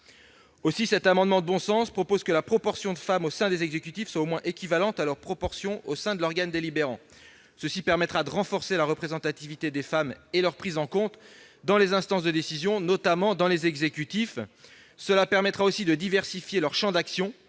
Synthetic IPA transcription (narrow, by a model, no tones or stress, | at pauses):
osisɛt̪amɑ̃d̪mɑ̃d̪əbɔ̃sɑ̃spχɔpozkəlapχɔpɔʁsjɔ̃d̪əfamosɛ̃d̪ezɛɡzekʲyt̪ifswaomwɛ̃ʔekʲivalɑ̃t̪alœʁpχɔpɔʁsjɔ̃osɛ̃d̪əlɔʁɡand̪elibeʁɑ̰̃ | səsipɛʁmɛt̪χad̪əʁɑ̃fɔʁselaʁəpχezɑ̃t̪at̪ivit̪ed̪efamelœʁpχizɑ̃kɔ̃t̪ | d̪ɑ̃lezɛ̃st̪ɑ̃sd̪əd̪esizjɔ̃nɔt̪amɑ̃d̪ɑ̃lezɛɡzekʲyt̪if | səlapɛʁmɛt̪χaosid̪əd̪ivɛʁsifjelœʁʃɑ̃d̪aksjɔ̃